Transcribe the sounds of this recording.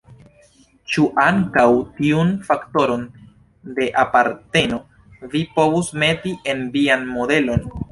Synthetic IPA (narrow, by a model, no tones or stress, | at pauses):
t͡ʃuʔaŋkawtiunfakto̞ɾo̞n | de̞ʔapaɾte̞no̞ | vipo̞vusme̞tiʔe̞nvianmo̞de̞lo̞n